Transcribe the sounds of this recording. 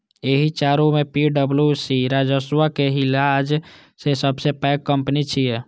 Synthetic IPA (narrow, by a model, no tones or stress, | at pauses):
eɦit͡ʃaɾumepiɖəbljusiɾad͡ʒəswakeɦilad͡ʒ | sesəbsepɛkːəmpnit͡ʃʰije